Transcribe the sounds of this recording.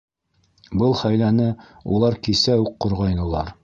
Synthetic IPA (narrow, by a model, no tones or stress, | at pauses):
bɤlˠχæjlænɘ | ṵlˠɑɾkisæuqːŏɾʁɑjnɤ̆lˠɑɾ